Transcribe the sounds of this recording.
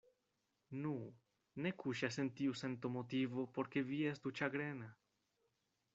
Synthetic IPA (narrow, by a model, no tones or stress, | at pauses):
nu | nekʰuʃasent̪iusent̪omot̪ivopoɾkeviesd̪ut͡ʃaɡɾena